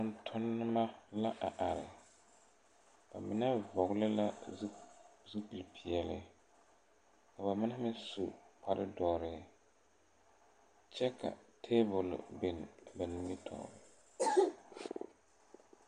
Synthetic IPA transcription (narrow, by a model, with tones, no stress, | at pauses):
ʊ˨ntʰʊ˦nːɪ˦ma˦la˦ʔa˨ʔa˨ɾɪ̰˨ | b̥a̰˨mɪ˦nɛ˦vɔ˨ɡlɪ˦la˦ | zu˦ki˨lpʰi˨ɛ˨lɪ˦ | ka˨ba˨mɪ˦nɛ˦mɪ˦nsu˨pʰa˨ɾɪ˦dɔː˨ɾɪ˨˦ | t͡ʃɛ˦kʰa̰˨tʰe˦bʊ˨l̰be˨n˨ba˨ni˦mi˦tʰɔ̰ː˨ɾɪ˨